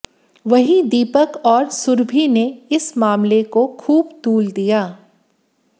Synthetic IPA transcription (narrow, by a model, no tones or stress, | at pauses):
ʋɐɦĩd̪iːpəkɔːɾsʊɾbʱineɪsmaːmlekokʰuːbt̪uːld̪ijaː